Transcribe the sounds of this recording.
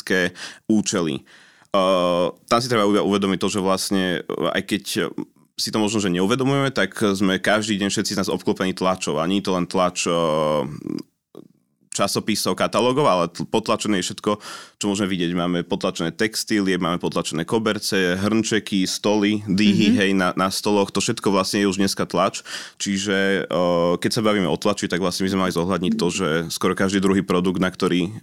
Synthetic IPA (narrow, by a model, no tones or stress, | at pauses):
kɛːuːt͡ʃɛlḭ | t̪amsit̪ɾɛbaibauʋɛd̪ɔmic̚t̪ɔʒɛʋlasɲɛa̰jkɛc | sit̪ɔmɔʒnɔʒɛɲɛuʋɛd̪ɔmujɛmɛt̪akzmɛkaʒd̪iːɟɛɲfʃɛt̪t͡siznaːzɔp̚klɔpɛnit̪lat͡ʃɔʊa̰ɲɛɲit̪ɔlɛnt̪lat͡ʃ | t͡ʃasɔpisɔʊkat̪alɔːɡɔʊalɛpɔt̪lat͡ʃɛnɛːjɛfʃɛt̪kɔt͡ʃɔmʊɔʒmɛʋiɟɪɛɟmaːmɛpɔt̪lat͡ʃɛnɛːt̪ɛkst̪iːliɛmaːmɛpɔt̪lat͡ʃɛnɛːkɔbɛɾt͡sɛɦr̩nt͡ʃɛkist̪ɔlid̪iɦiɦɛjnanast̪ɔlɔxt̪ɔfʃɛt̪kɔʋlasɲɛjɛuʒdɲɛskat̪lat͡ʃt͡ʃiʒɛ | kɛcsabaʋiːmɛɔt̪lat͡ʃit̪aɡʋlasɲɛbizmɛmalizɔɦlʎad̪ɲict̪ːɔʒɛskwɔɾɔkaʒd̪iːd̪ɾuɦiːpɾɔd̪uɡd̪nakt̪ɔɾiː